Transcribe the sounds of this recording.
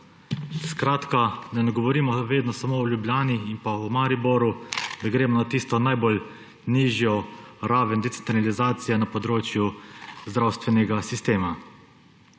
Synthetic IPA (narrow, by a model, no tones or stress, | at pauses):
skɾaːt̪kanɛnɛɡɔʋɔɾiːmɔʋeːd̪nɔsamoɔljubljaːniːnpaumaɾiboɾud̪aɡɾeːmɔnat̪iːst̪ɔnajbol | niːʒjɔ | ɾaːʋɛnd̪ɛt̪sent̪ɾalizaːt̪sijɛnapɔd̪ɾoːt͡ʃjuzd̪ɾawst̪ʋɛnɛɡasist̪eːma